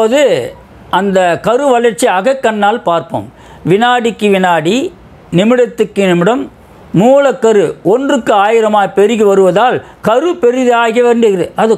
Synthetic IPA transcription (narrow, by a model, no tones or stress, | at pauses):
poːðɯ | ʔɐnd̪ɐkɐɾɯʋɐɭɐɾt͡ʃiɐɣɐkːɐnːaːlpaːɾpo̰ːm | ʋɪnaːɽɪkːɯʋɪnaːɽi | nɪmɪɽɐt̪ːɯkːɯnɪmɪɽɐmː | uːlɐkːɐɾɯɔndrɯkːɯaːjɪɾɐmaːpɛɾɪɣɯʋɐɾɯʋɐðaːl | kɐɾɯpɛɾɪðɯaːɣɪjɐʋeːɳɖɪɣɪɾɐɐðɯ